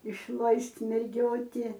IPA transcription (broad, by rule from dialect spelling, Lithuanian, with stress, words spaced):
ɪʃˈlˠɐɪsʲtʲ mʲɛrʲˈɡʲoːtʲɪ